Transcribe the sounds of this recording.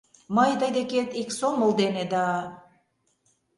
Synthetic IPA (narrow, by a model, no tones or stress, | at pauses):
mɑjd̪ɑjd̪eket̪iksomolˠd̪ened̪ɑ